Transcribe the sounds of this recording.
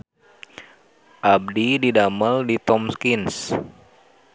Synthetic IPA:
ʔab̚dididaməldit̪ɔmskins

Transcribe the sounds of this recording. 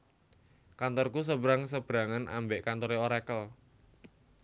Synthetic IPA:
kant̪ɔrkus̬əbɾaŋs̬əb̥ɾa̤ŋanʔa̰mbeʔkant̪ɔɾeoɾekəl

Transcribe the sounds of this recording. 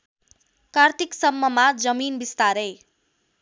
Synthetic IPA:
kart̪iksʌmːʌmad͡zʌminbist̪aɾʌj

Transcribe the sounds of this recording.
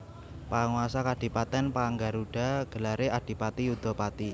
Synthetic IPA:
paŋuasakad̥i̤pat̪ɛnpaŋɡaɾuɖ̥a̤ɡ̥əlaɾead̥i̤pat̪iud̪̥opat̪i

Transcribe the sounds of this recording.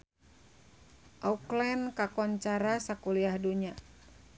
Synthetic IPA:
ʔauklɛnkakɔɲt͡ʃaɾasakuliahduɲa

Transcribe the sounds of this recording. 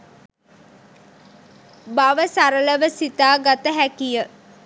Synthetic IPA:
baʋəsaɾələʋəsit̪aːɡat̪əɦækijə

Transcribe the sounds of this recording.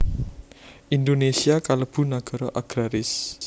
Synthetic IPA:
ʔind̪onesiakaləb̥ṳnaɡ̥ɔ̤ɾɔʔaɡ̥ɾaɾɪs

